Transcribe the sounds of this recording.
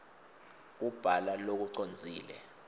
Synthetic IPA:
k̬ub̥ʱalalok̬uǀond͡zʱiːlɛ

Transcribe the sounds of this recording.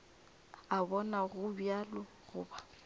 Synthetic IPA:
abɔnaɣʊbjalɔ | ɣʊ̰ːba

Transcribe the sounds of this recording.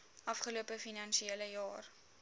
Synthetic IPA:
ʔɐfχəluəpəfinɐnʃieləjɑːr

